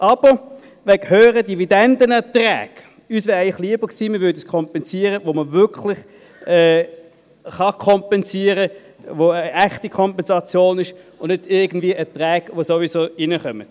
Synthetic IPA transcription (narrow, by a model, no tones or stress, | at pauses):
ʔɑb̥ə | ʋɛɡhøːʁədividɛndənətʁɛ̰ːɡ̥ | yːsʋɛːʁæɪlɪχliəb̥əksiːmɪɐʋʏːɐdəskʰɔmpɛnziːəʁəʋoməʋʏɐkʰlɪχ | ɛː | χɑkʰɔmpɛnziːəʁə | ʋoəæχtikʰɔmpɛnzɑt͡sjoːnɪʃ | ʊnnɪdɪɐɡən̩d̥viəʔətʁɛːkʋosovizoːinəχœmət